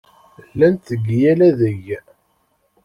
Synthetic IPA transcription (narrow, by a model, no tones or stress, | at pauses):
lːænt̪əɡːjælæðəʝ